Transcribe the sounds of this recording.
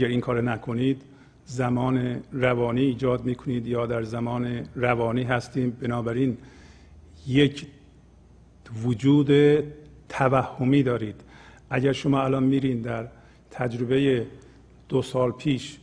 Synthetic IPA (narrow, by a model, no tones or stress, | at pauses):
æɾiːŋkʰɒːɾenækʰoniːd̪ | zæmɒːneɾævɒːniːd͡ʒɒːd̪̚miːkʰoniːd̪jɒːd̪æɾzæmɒːneɾævɒːniːɦæst̪iːmbenɒːbæɾiːn | jecʰ | vod͡ʒuːd̪et̪ʰævæhːomiːd̪ɒːɾiːd̪̥ʔæɟæɾʃomɒːælɒːnmiːɾiːnd̪æɾ | t̪ʰæd͡ʒɾobe̞je | d̪̥osɒːlpʰiːʃ